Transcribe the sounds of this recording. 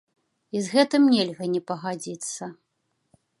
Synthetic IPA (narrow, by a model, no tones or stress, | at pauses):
izɣɛt̪ɨmnʲɛlʲɣɐnʲɛpɐɣad͡zʲit̪sːɐ